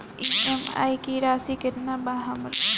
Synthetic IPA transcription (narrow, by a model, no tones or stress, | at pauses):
iːema̰ːikiɾaːsikɪɾnabaːɦɐmɾ